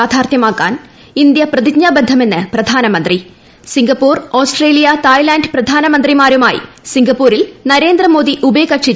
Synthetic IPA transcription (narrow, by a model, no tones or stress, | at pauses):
aːd̪ʱaːrt̪jɐmaːkːaːn | ind̪jɐprɐðikɲaːbɐnd̪ʱːɐme̞nːɨprɐd̪ʱaːnɐmɐnd̪ri | siŋɡɐpːoːroːsʈre̞ːlijɐt̪ajlaːnɖprɐd̪ʱaːnɐmɐnd̪rimaːɾumaːjḭ | siŋɡɐpːoːɾilnɐɾe̞ːnd̪rɐmo̞ːd̪iʔubekɐʈʂi